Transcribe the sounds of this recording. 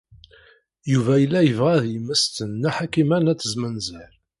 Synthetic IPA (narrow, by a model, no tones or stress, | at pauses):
juvæjəlːæjəvʁæðjəməst̪ənːæħakimænæt͡sːəzmənzəɾ